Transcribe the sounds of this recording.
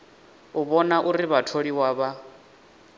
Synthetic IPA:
uβɔnaʔuɾiβatʰoɺiwaːβa

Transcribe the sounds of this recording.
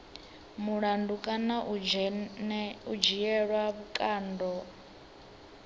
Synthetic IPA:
muɺandukʼanaʔ | ud͡ʒijɛɺwaβukʼaːndɔ

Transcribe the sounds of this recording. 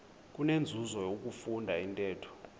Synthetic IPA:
k̬ʼunend͡zʱuzɔjok̬ʼufundʱaintʼɛːtʰɔ̥

